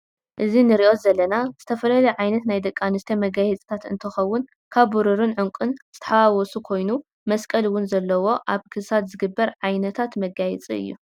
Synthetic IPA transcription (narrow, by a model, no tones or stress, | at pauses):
ʔɨzinɨɾiʔo̞t̪zɐlːɐnaz̥ɨt̪ʰɐfɐlalɐjʕajnɐt̪najd̪ɐkʼːanɨst̪ʰɐmɐɡajɛt͡sʼi̥t̪ʰat̪ɨ̰nt̪ʰɨxɐwːʊn | kʰaβːuɾɨɾɨnʕʊŋkʷʼɨnz̥ɨt̪ʰɐ̥ħawawɔsukʰo̞jnu | mɐskʼɐlwʊnzɐlːɐwo̞ʔaβkʰɨsat̪zɨɡɨbːɐɾʕajnɐt̪ʰat̪mɐɡajɛt͡sʼiɨ̰jːṵ